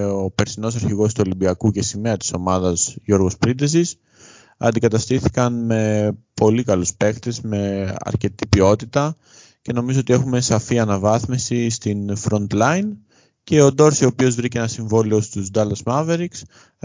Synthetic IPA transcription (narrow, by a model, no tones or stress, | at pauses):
ope̞ɾsino̞sɐɾçiɣo̞st̪uo̞limbiɐkuce̞sime̞ɐt̪i̥so̞mɐðɐzʝo̞ɾɣospɾid̪esis | ɐ̰nd̪ikɐt̪ɐst̪iθi̥kɐnme̞po̞likɐluspe̞kt̪e̞zme̞ɐ̰ɾce̞t̪ipio̞t̪it̪ɐ | ce̞no̞mizo̞o̞t̪ie̞xume̞sɐfiɐnɐvɐθmisist̪infɾo̞nt̪lɐjn | ce̞od̪o̞ɾsio̞pio̞zvɾiceenɐsiɱvo̞lio̞st̪uzd̪ɐlɐsmɐve̞ɾiks